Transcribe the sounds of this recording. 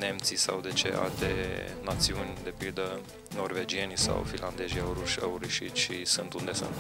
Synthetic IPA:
ne̞mt̪sisawd̪e̞t͡ʃḛʔa̰lt̪enat̪siunʲd̪e̞pild̪ə | no̞rve̞d͡ʒie̞nisa̰wfinland̪e̞ʒiaɾuʃʲəuɾiʃit̪ʃʃisɨnt̪und̪e̞sɨ̰nt̪

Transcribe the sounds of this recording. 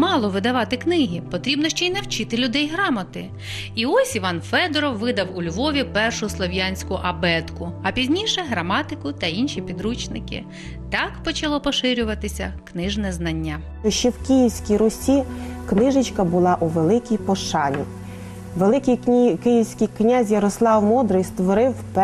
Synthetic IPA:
mɑlˠɔʋɪd̪ɐʋɑt̪ɪknɪɦʲipɔt̪ɾʲibnɔʃt͡ʃɔinɐwt͡ʃɪt̪ɪlʲʊd̪ɛjɦɾɑmɐt̪ɪ | iɔsʲiʋɑnfɛd̪ɔɾɔwːɪd̪ɐwʊlʲʋɔʋʲipɛrʃʊslˠɔʋjɑnʲsʲkʊʔɐbɛt̪kʊɐpʲizʲnʲijʃɛɦɾɐmɑt̪ɪkʊt̪ɐinʃʲipʲid̪ɾut͡ʃnɪ̰kɪ̰ | t̪ɑkpɔt͡ʃɐlˠɔpɔʃɪɾʲʊʋɐt̪ɪsʲɐknɪʒnɛznɐnʲːa | ɔʃt͡ʃːɛwkʲijiwsʲkʲijɾʊsʲiknɪʒɪt͡ʃkɐbʊlˠɑʔuʋelˠɪkʲijpɔʃɑnʲḭ | ʋelˠɪkʲijkɪjiwsʲkʲɪjknʲazʲjɐɾɔslˠɑwmɔd̪ɾɪjst̪ʋɔɾɪwp

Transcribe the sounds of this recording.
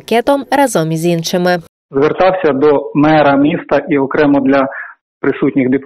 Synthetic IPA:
kɛt̪ɔmrɐzɔmizʲinʃɪmɪ | zʋert̪ɑwsʲɐd̪ɔmɛɾɐmʲist̪ɐʔiɔkɾɛmɔd̪lʲɐ | pɾɪsutʲnʲɪxd̪ʲɪp̪

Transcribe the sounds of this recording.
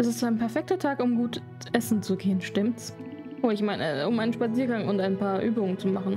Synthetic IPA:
ʔɛs̬ɪstaɪnpʰɛɐfɛk̚tɐtʰaːkʊmɡuːt | ʔɛsn̩t͡suɡeːənʃtɪmts | ʔoːɪçmaɪnə̰ʔʊmʔaɪnən̩ʃpat͡siːɐɡaŋʊntaɪnpʰaːɐʔyːbʊŋənt͡sumaχn̩

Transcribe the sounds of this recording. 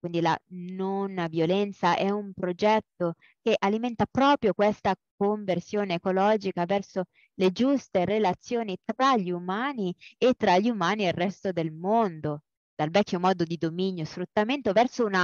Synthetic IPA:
kwind̪ila̰nonvjolɛnt̪saʔɛumpɾod͡ʒɛt̪ːo | keʔalimɛnt̪apɾɔːpɾjokwest̪ak̚oɱversjoːneːkolɔːd͡ʒikavɛrso | led͡ʒust̪eɾelat̪sːjoːnit̪ɾaʎːumaːniet̪ːɾaʎːumaːnialrːɛst̪od̪elmond̪o | d̪̥alvɛkʲːomɔːd̪od̪id̪ominjosfɾut̪ːament̪ovɛrsouna

